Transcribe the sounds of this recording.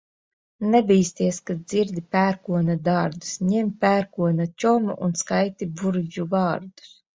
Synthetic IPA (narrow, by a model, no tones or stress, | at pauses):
nɛbʲiːst̪iɛskaziɾd̪ipʲæːɾkuɔnad̪aɾd̪u̥sɲɛmpʲæːɾkuɔnat͡ʃʲɔmuʔunskajt̪ibuɾd͡ʒuvɑːɾd̪u̥s